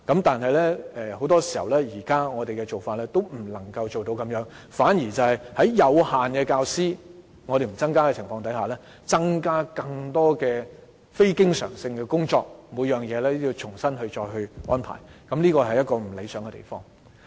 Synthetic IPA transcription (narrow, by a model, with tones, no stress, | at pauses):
kɐ˨˥mt̪aː˨nɦɐ˨jlɛː˥ɛː˧ho˨˥wt̪ɔː˥si̥˨˩hɐ̰˨˩wlɛː˥jiː˨˩kaː˥ŋɔː˨˧t̪e˨jkɛ˧t͡so˨wfaː˧t̚lɛː˥t̪o˥wm̩˨˩lɐ˨˩ŋkɐ˧wt͡ʃo˨wt̪o˨˧wkɐ˨˥mjœː˨˥ŋ | faː˨˥njiː˨˩t͡sɐ˨whɐ˨˩jhɐ˨˥jjɐ˨˧whaː˨nkɛː˧kaː˧wsiː˥ | ŋɔ˨˧ɾe˨jm̩˨˩t͡sɐ˥ŋkaː˥kɛː˧t͡sʰɪ˨˩ŋfɔː˧ŋt̪ɐ˨˥jhaː˨˩lɛː˥ | t͡sɐ˥ŋkaː˥kɐ˧ŋt̪ɔː˥kɛː˧ | fe˥jkɪ˥ŋsœ̰ː˨˩ŋsɪ˧ŋkɛː˧kʊ˥ŋt͡sɔː˧k̚muː˨˧jœː˨˩ŋjɛː˨˧lɛː˥ji˧wt͡ʃʰʊ˨˩ŋsɐ˥nɦɵ˧ɥt͡ʃɔː˧jɦɵ˧ɥʔɔː˥npʰa̰ː˨˩jkɐ˨˥mliː˥kɔː˧hɐ˨jɐ˥t̚kɔː˧m̩˨˩le˨˧jsœː˨˥ŋɡɛ˧t̪ḛ˨˩jfɔː˥ŋ